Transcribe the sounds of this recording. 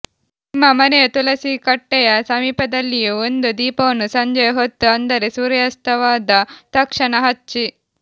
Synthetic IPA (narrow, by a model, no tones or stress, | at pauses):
imamɐnet̪ulɐsikɐʈːejasamipɐd̪ɐliənd̪ud̪iponusɐɲd͡ʑejɦot̪ːəand̪ɐɾesuɾjast̪ɐʋad̪at̪ɐkʂɐnaɦatt͡ɕi